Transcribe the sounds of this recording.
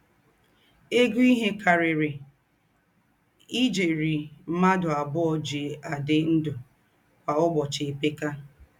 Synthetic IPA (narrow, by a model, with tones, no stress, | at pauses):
e˦ɡu˦i˦ɦe˦ka˨ɾɪ˨ɾɪ˨ | i˦d͡ʒe˨ɾi˨m̩˦ma˦dʊ˨a˨bʊ˦ɔ˨d͡ʒe˨a˨dɪ˦n̩˦dʊ˨ | ka˨ʊ˦ɡ͡bɔ˨t͡ʃɪ˨e˨pe˦ka˦